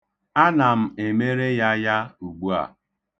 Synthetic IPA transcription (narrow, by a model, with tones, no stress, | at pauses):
a˦na˨m̩˦e˨me˦ɾe˦ja˦ja˦u˨ɡ͡bu˦a̰˨